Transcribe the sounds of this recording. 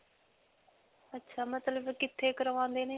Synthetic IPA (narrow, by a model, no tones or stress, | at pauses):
ətːʃʰaːmət̪ləbkɪt̪ʰːeːkəɾʋãːnd̪eːneː